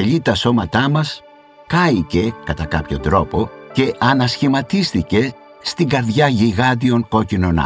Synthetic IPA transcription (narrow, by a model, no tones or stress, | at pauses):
eʎit̪ɐso̞mɐt̪ɐmɐs | kɐice̞kɐt̪ɐkɐpço̞d̪ɾo̞po̞ce̞ʔɐnɐsçimɐt̪ist̪ice̞ | st̪iŋɡɐɾðʝɐʝiɣɐd̪io̞ŋko̞cinonɐ̰